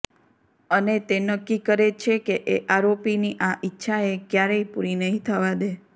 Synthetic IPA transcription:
ənet̪enəkːikəɾet͡ʃʰekeʔeʔaɾopiniʔaʔitːʃʰaekjaɾeipuɾinəɦĩt̪ʰəʋad̪e

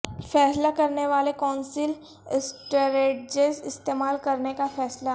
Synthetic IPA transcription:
fɛːslakɐɾneʋaːlekɔːnsɪl | ɪsʈəɾeːɖd͡ʒesɪst̪eːmaːlkɐɾnekafɛːsla

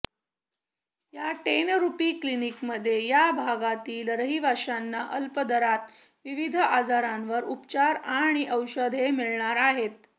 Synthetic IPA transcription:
jaʈenɾupiːklinikməd̪ʱːjejabʱaɡat̪iːlɾəɦibʱaɕanːaʔəlpəd̪əɾat̪ | ʋiʋid̪ʱəad͡zaɾanʋəɾupt͡ɕaɾaɽ̃iʔəwɕəd̪ʱemiɭɳaɾaɦet̪̚

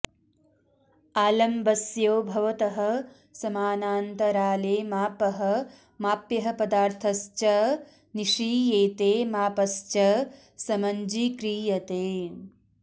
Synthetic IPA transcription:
aːlɐmbɐsjoːbʱɐʋɐt̪ɐɦɐ̆ | sɐmaːnaːnt̪ɐɾaːleːmaːpɐɦɐ̆ | maːpjɐɦɐpɐd̪aːɾt̪ʰɐst͡ʃɐ | niʂiːjeːt̪eːmaːpɐst͡ʃɐ | sɐmɐɲd͡ʒikɾiːjɐt̪eː

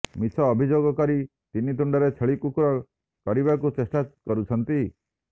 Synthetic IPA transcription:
mit͡ʃʰɔːbʱid͡ʒoɡɔkɔɾi | t̪init̪uɳɖɔɾet͡ʃʰeɭikukuɾɔ | kɔɾibakut͡ʃesʈakɔɾut͡ʃʰɔnt̪i

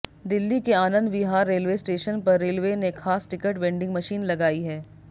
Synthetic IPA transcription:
d̪ɪlːikeaːnə̃nd̪bɪɦaːɾːeːlʋeːsʈeːʃənpɐɾːeːlʋeːnexʰaːsʈɪkəʈʋɛ̃ːɳɖɪ̃ŋɡmɐʃiːnlɐɡaːiɦɛː

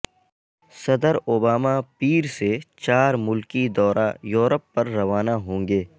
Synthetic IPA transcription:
sɐd̪əɾoːbaːmapiːɾset͡ʃaːɾmʊlkid̪ɔːɾʔajoːɾəpːɐɾːɐʋaːnaɦõːŋɡeː

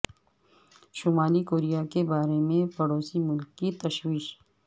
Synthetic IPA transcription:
ʃʊmaːlikoːɾijakebaːɾemẽpɐɽoːsimʊlkːit̪ɐʃwiːʃ

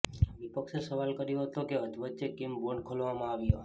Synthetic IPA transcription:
ʋipəkʃesəʋalkəɾjoɦət̪okeɦəd͡ʒ̪ʋətːt͡ʃekimboɳkʰolʋamãaʋjo

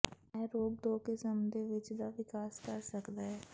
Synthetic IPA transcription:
ɛɾoːɡ̚d̪oːkesəmd̪ʱeʋɪt͡ʃd̪aʋɪkaːskɐɾsɐkd̪aɦɛː

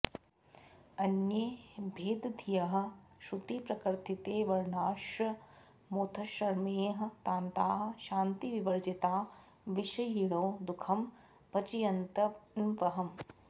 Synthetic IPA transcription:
ɐnjeːbʱeːd̪ɐd̪ʱijɐɦɐ̆ʃut̪ipɾɐkɐɾt̪ʰit̪eːʋɐɾɳaːʃɐ | moːt̪ʰɐʃɐɾmeːɦɐ̆t̪aːnt̪aːɦɐ̆ʃaːnt̪iʋiʋɐɾd͡ʒit̪aː | ʋiʃɐjiɭoːd̪ukʰɐm | pɐt͡ʃijɐnt̪ɐnʋɐɦɐm

